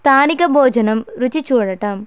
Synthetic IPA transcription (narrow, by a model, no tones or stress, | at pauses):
t̪ʰaːnikɐbʱoːd͡ʒɐnɐmɾut͡ɕit͡ɕːuːɻɐʈːɐm